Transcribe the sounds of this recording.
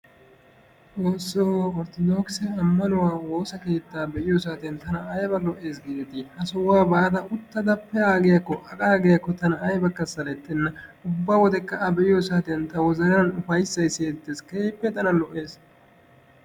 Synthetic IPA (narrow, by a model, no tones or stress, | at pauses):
t͡soːsːoːɔɾt̪ɔd̪oːksɛɐmːɐnʊwaːwo̞ːsɐke̞ːt̪ːaːbɛʔɪjos̬aːt̪ɛnt̪ɐnɐɐjbɐlɔʔːe̞ːs̬ɡɪt̪ihɐsɔwaːbaːd̪ɐʊt̪ːɐd̪ɐpːɛaːɡɪjɐkːɔʔɐkʼaːɡɪjɐkːɔt̪ɐnɐɐjbɐkːɐsɐlɛt̪ːɛnːɐʊbːaːwɔd̪ɛkːɐɐbɛʔɪjɔsaːt̪ɛnt̪ɐwɔzɐɾɐɾɐnʊfɐjsːɐjseːt̪ːeːskepːɛt̪ɐnɐlɔʔe̞ːs